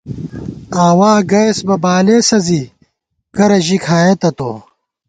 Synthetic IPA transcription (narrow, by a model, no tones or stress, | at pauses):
aːwaːɡɐjsbɐbaːleːsɐzi | kɐɾɐʑikʰaːjet̪ɐt̪o̰ː